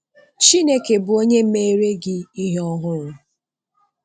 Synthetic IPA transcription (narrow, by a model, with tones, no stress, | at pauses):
t͡ʃi˦ne˦ke˨bʊ˨o˦ɲe˦m̩˦me˦e˦ɾe˦ɡɪ˦i˦ɦɔ˦ɦʊ˦ɾʊ˨